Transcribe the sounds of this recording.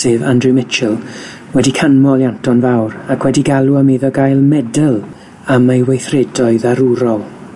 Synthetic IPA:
seːvandrɨmɪt͡ʃəlˠ | wɛdikʰanmɔlˠjantɔnvawɾakʰwɛdiɡalˠuəmeðɔɡajlˠmɛdəlˠ | amejwejθrɛdɔɨðaɾuɾɔlˠ

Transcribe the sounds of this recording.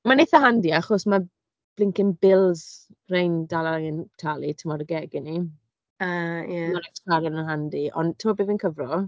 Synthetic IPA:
maneθaɦandiaχɔsma | b̥lɪŋkɪnbɪlˠz̥ | rejndalaɪntʰalˠitʰəmɔɾəɡɛɡɪni | aːjɛmaɾɛstʰaɾɛnənɦandiʔɔ̰ntʰəmɔbɪːvinkʰəvrɔ

